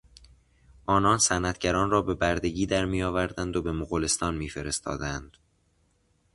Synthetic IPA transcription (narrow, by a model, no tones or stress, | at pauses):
ʔɒːnɒːnsænæt̪ʰɟæɾɒːnrɒːbe̞bæɾd̪e̞ɟiːd̪æɾmiːjɒːvæɾd̪ænd̪obe̞moɣole̞st̪ɒːnmiːfe̞ɾe̞st̪ʰɒ̰ːd̪ænd̪̥